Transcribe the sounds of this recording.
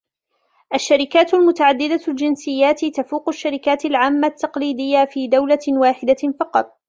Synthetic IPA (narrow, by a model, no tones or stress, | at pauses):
ʔaʃːaɾɪkaːt̪ʊlmʊt̪aʕad̪ːɪd̪ald͡ʒɪnsɪjːaːt̪t̪afuːqʊʃːaɾɪkaːt̪ɪlʕaːmːat̪ːɑqliːd̪ɪjːafiːd̪awlawaːħɪd̪afɑqɑt̪ˤ